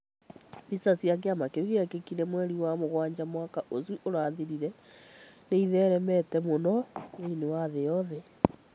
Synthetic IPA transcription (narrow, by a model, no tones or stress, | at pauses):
pisasiak̬eamakeiɣeakekiɾɛmwɛɾiwamoɣwaːɲd͡ʑamwakaʔozwiʔoɾaːðiɾiɾɛ | neiðɛːɾɛmɛtɛmonɔneinewaðejɔðɛ